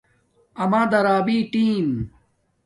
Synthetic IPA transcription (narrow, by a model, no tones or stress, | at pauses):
ɐmãːd̪ɐɾaːbiːʈiːm